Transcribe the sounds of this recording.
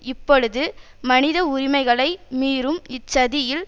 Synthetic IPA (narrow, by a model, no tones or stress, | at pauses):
ɪpːɔɻɯðɯ | mɐnɪðɐʊɾɪmɐɪɣɐɭɐɪmiːɾɯmɪt͡ʃːɐðɪjɪl